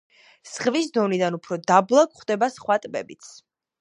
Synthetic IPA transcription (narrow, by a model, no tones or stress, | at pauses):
sχvisd̪ɔnid̪anupʰɾɔd̪ablˠakʰχd̪ɛbasχwat̪ʼbɛbit̪sʰ